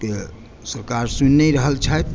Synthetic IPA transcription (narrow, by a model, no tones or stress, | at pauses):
ke | səɾkaɾsunːəɾəɦəlt͡ʃʰət̪